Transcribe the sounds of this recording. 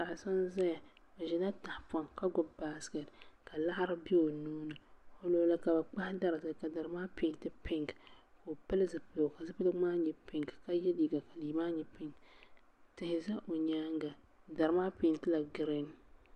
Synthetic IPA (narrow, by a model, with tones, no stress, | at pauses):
a˨ʔsa˦nza˦ja˨ | o˨ʒɛ˨na˦ta˨hpɔ˨ŋka˦ɡʊ˦ba˦skɛ˨tka˨la˦ha˦ɾɨ˦bi˦o˨nuː˦nɨ˨o˦loː˦la˦ka˨ba˨k͡pa˦hda˦ɾɨ˨tɨ˨ka˨da˨ɾɨ˨˦maː˦pi˨n˨tɨ˦pɪ˦ŋɡko˨pɨ˦lɨ˦zɨ˨pɨ˦lo˨ka˨zɨ˦pɨ˦lɨ˦maː˦ɲɛ˨pɪ˦ŋɡka˦jɛ˦liː˦ɡa˨ka˨liː˨maː˦ɲɛ˨pɪ˦ŋ | tɪ˨hɪ˨za˦ʔo˨ɲaː˦ŋɡa˨ | da˨ɾɨ˨maː˦pi˨ntɨ˦la˨ɡɨ˨ɾe˦n